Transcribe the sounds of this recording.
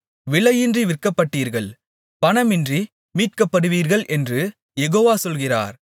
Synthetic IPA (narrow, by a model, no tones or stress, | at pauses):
ʋɪɭɐjɪndriʋɪrkɐpːɐʈːiːɾɣɐɭ | pɐnɐmɪndri | miːʈ̚kɐpːɐɽɯʋiːɾɣɐɭʔɛndrɯ | jɛɣoːʋaːsɔlɣɪra̰ːɾ